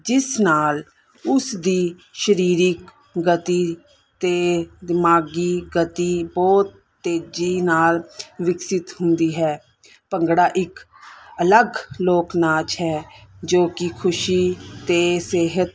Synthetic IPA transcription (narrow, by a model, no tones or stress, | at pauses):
d͡ʒɪsnaːl | ʊsd̪iː | ʃəɾiːɾɪk | ɡət̪iː | t̪eːd̪ɪmaːɡiːɡət̪iːbɔːt̪ːeːd͡ʒiːnaːlʋɪksɪt̪ɦʊnd̪iːɦɛː | pəŋɡɽaːʔɪk | ələɡloːknaːt͡ʃɦɛːd͡ʒoːkɪkʰʊʃiːt̪eːseːɦət̪̚